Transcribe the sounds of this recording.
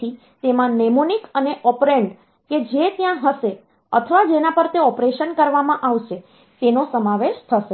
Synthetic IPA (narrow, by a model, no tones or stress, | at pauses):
i | t̪emãnemonikəneʔɔpɾeɳɖ | ked͡ʒet̪jãɦəʃe | ət̪ʰəʋad͡ʒenapəɾt̪eɔpɾeʃənkəɾʋamãʔaʋʃe | t̪enosəmaʋeʃt̪ʰəʃe